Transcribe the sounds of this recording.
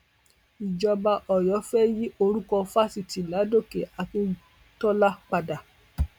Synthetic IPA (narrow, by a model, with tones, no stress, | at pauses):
i˨d͡ʒɔ˧ba˧ʔɔ˨jɔ˨˦fɛ˦ji˦ʔo˧ɾũ˦kɔ˧fa˦si˨ti˨˦la˨˦do˦˨ke˨ʔa˨kĩ˧ | tɔ˦la˦k͡pa˧da˨